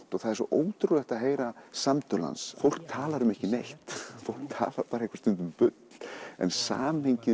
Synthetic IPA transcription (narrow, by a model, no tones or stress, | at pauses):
t̪ɔɣθaðɛɾsɔʔoːwt̪ɾulɛht̪aðɦeːjɾasamt̪œla̰nsfowl̥k̚t̪ʰaːlaɾʏmɛhcɪnejht̪fowlk̚t̪ʰa̰ːlaɾpaːɾaehkvḁst̪ʏnt̪ʏmpʏt̪ll̥ɛ̰nsa̰ːmeɲcɪ